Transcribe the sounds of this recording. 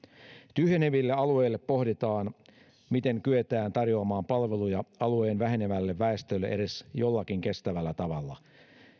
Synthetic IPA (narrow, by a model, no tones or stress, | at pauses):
t̪yhjeneʋilːeɑlue̞ːlːe̞pːo̞ɦhdit̪ɑːn | mit̪e̞ŋkyet̪æːnt̪ɑrjo̞ɑmɑːmpɑlʋe̞lujɑɑlueːnʋæɦeneʋælːeʋːæest̪ølːeʔeɾe̞sjo̞lːɑkiŋke̞st̪æʋælːæt̪ɑʋɑlːɑ̰